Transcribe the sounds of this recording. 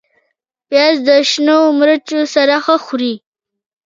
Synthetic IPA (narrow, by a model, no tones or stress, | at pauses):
pjɑzd̪əʃnoomɾət͡ʃosaɾaxəxʊɾi